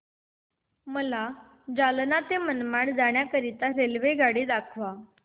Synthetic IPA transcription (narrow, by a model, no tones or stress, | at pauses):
məla | d͡zalnat̪emənmaɳd͡zaɳ̃jakəɾit̪aɾelʋeɡaɽiːd̪akʰʋa